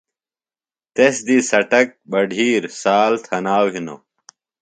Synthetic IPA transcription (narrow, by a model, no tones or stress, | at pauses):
t̪esd̪isɐʈɐk̚bɐɖʱiːɾsaːlt̪ʰɐnaːwɦino̰ː